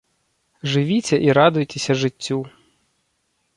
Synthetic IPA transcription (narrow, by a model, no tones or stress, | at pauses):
ʒɪʋʲit͡sʲɐʔiɾɑd̪ʊjt̪esʲɐʒɪtʲːu